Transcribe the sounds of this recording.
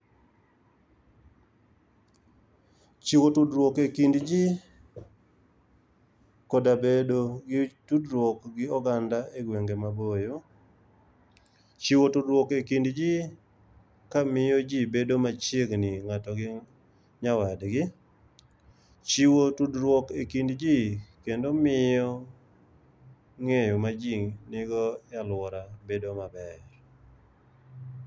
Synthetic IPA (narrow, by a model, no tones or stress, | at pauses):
t͡ʃiwotudɾwokekindd͡ʒi | kodabedoɡɪtudɾwokɡɪɔɡandaeɡweŋɡemabojo | t͡ʃiwotudɾwokekindd͡ʒi | kamɪjɔd͡ʒibedomat͡ʃjeɡnɪŋatɔɡɪ | ɲawadɡɪ | t͡ʃiwotudɾwɔkekindd͡ʒikendomɪjɔ | ŋejomad͡ʒiŋnɪɡɔjalwɔɾabedomabɛr